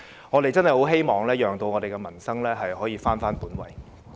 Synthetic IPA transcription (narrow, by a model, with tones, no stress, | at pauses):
ŋɔː˨˧ɾe˨jt͡sɐ˥nɦhɐ˨jho˨˥wɦe˥jmɔː˨ŋlɛː˥jœː˨ŋt̪o˧wŋɔː˨˧d̪e˨jɡɛː˧mɐ˨˩nsɐ˥ŋlɛː˥ɦɐ˨jɦɔː˨˥jiː˨˧faː˥nfaː˥npuː˨˥nwɐ̰˨j